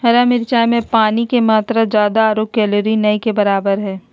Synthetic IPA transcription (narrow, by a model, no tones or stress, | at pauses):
ɦɐɾamɪɾt͡ʃaːjmẽpaːnikemaːt̪ɾad͡ʒjaːd̪aːɾoːk̚kɛːloɾinɐikebɐɾaːbəɾɦɛː